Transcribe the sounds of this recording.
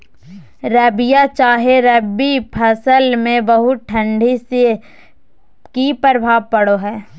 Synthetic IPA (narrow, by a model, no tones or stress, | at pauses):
ɾɛbijat͡ʃaːɦeɾɛbipʰɐsəlmẽbəɦʊt̪̚ʈʰɐ̃ɳɖʱise | kipəɾəbʱaːʋpəɽoɦɛː